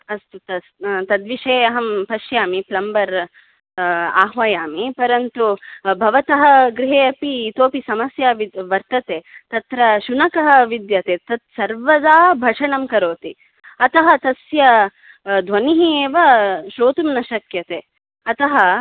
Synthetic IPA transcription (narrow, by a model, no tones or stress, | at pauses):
ɐst̪ut̪ɐst̪ɐd̪ʋiʂeːɐɦɐmpɐʃjaːmiplɐmbɐɾ | aːɦʋaːjaːmipɐɾɐnt̪ubʱɐʋɐt̪ɐɦɐɡɾiɦeːɐpit̪oːpisɐmɐsjaːʋiʋɐɾt̪ɐt̪eːt̪ɐt̪ɾɐʃunɐkɐɦɐ̆ʋid̪jɐt̪eːt̪ɐt̪sɐɾʋɐd̪aːbʱɐʂɐɳɐmkɐɾoːt̪i | ɐt̪ɐɦɐt̪ɐsjɐ | d̪ʱʋɐniɦieːʋɐʃɾoːt̪umnɐʃɐkjɐt̪eː | ɐt̪ɐɦɐ